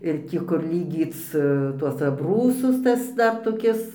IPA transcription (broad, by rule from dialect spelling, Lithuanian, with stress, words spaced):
ɪr ˈtʲiː kʊr lʲiːˈɡʲiːt͡s tuɔs ɐbˈruːsʊs ˈtɐs ˈdɐr toːˈkʲɪs